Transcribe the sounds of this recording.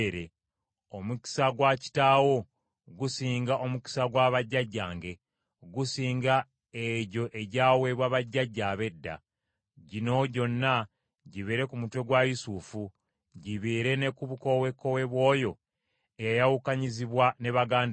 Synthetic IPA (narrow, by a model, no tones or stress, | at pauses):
ɾe | omuki̥saɡwaci̥taːwo̞ | ɡusiːŋɡaʔo̞muci̥saɡwaːβaɟːaɟːaːŋɡe̞ | ɡusiːŋɡa | eɟo̞ʔe̞ɟaːwe̞ːβwaβaɟːaɟːaːβe̞dːa̰ | ɟino̞ɟo̞nːa | ɟiβiɾe̞kumutwe̞ɡwajisufu | ɟiβiːɾe̞ne̞kuβuko̞we̞kːo̞we̞βwo̞ːjo̞ | ejajawukaɲiziβwane̞βaɡaːnd